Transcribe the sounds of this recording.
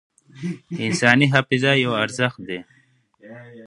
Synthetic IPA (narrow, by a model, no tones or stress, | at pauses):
insaːniɦaːfizajoɐɾzɐxd̪eː